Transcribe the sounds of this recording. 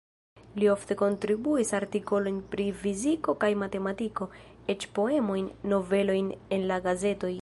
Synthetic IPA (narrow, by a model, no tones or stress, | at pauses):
lio̞fte̞ko̞ntɾibuisaɾtiko̞lo̞jnpɾifiziko̞kajmate̞matiko̞ | e̞t͡ʃpo̞e̞mo̞jnːo̞ve̞lo̞jne̞nlaɡaze̞to̞j